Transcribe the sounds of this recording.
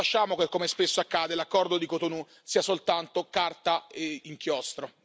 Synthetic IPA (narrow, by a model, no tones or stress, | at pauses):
at͡ʃːaːmokekːomespesːoakːaːd̪elakːɔrd̪od̪ikot̪onu | siːasolt̪ant̪okart̪aeiŋk̟jɔst̪ɾo